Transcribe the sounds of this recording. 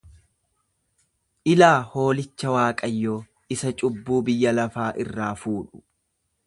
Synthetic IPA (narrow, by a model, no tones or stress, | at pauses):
ʔɪlaːhoːlɪt͡ʃːɐwaːkʼɐjːoː | ʔɪsɐt͡ʃʼʊbːuːbɪjːɐlɐfaːʔɪrːaːfuːᶑʊ̥